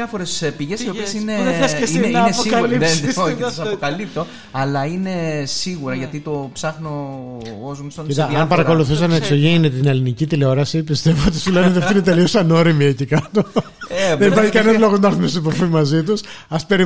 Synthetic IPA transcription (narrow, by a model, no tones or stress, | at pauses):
ɐfoɾespiʝesiopiesineɐesinɐpokɐlisesɐsɐpokɐlip̚t̪o̞ | ɐlɐine̞siɣuɾɐʝɐt̪it̪o̞psɐxno | ozmst̪onit̪ɐɐmpɐɾɐko̞luθus̬ɐnɐeksoʝenet̪inelinicit̪ileo̞ɾɐsipist̪e̞voot̪isuleneðfinit̪eliosɐno̞ɾimiecekɐt̪o̞ | ðenipɐɾçikɐninolo̞ɣoznɐɐɾθumest̪iboɾfimɐzit̪usɐspe̞ɾi